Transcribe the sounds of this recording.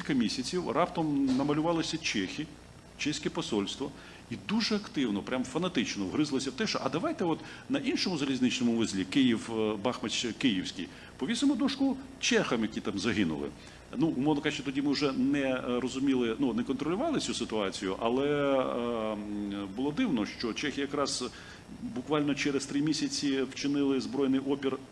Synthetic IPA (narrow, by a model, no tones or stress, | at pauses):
kʲilʲkɐmʲisʲɐt͡sʲiwrɑpt̪ɔmnɐmɐlʲʊʋɑlˠɪsʲɐt͡ʃɛxʲi | t͡ʃɛsʲkɛpɔsɔlʲst̪ʋɔ | id̪uʒɛɐkt̪ɪwnɔpɾʲʔamfɐnɐt̪ɪt͡ʃnɔwɦɾɪzlˠɔsʲɐwt̪ɛʃt͡ʃɔʔɐd̪ɐʋɑjt̪ɛɔt̪nɐʔinʃɔmʊzɐlʲizʲnɪt͡ʃnɔmʊʋɪzʲlʲikɪjiwbɑxmɐkɪjiwsʲkʲḭj | pɔʋʲisɪmʊd̪uʃkʊ | t͡ʃɛxɐmjɐkʲit̪ɑmzɐɦɪnʊ̰lˠɪ̰ | nuʊmɔwnɔkat͡ʃʲɛt̪ɔdʲimɪwʊʒɛnɛɾɔzʊmʲilˠɪnunɛkɔnt̪ɾɔlʲʊʋɑlˠɪt͡sʲusɪt̪ʊɑt͡sʲijʊʔɐ̰lˠɛ | bʊlˠɔd̪ɪwnɔʃt͡ʃɔt͡ʃɛxʲɪjɐkɾɑz̥ | bʊkʋɑlʲnɔt͡ʃɛɾest̪ɾɪmʲisʲɐt͡sʲiwt͡ʃɪnɪlˠɪzbɾɔjnɪjʔɔpʲir